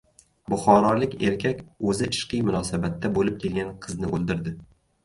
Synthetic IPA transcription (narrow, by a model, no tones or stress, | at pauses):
bʊχɒɾɒlɪkʲe̞ɾkʲʰakʲɵzɪɪ̥ʃqɨjmʊnɒsabat̪ʰːabolɪp̚kʲʰe̞lɡʲanqʰɨznɪʔolˠd̪ɪɾd̪ɪ